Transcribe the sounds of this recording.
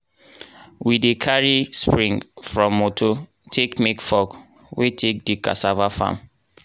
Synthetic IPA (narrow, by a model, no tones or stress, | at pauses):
widekʰaɹispɹĩŋfɹɔ̃mːotʰo | tʰekmekfɔk | wetʰek̚dika̰savafã̰m